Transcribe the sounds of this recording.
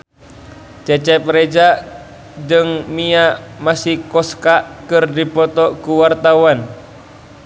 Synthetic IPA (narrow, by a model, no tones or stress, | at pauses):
t͡ʃɛt͡ʃɛp̚ɾɛd͡ʒaʔ | d͡ʒɨŋmiaʔmasihkɔskaʔkɨrdipɔt̪ɔkuwart̪awan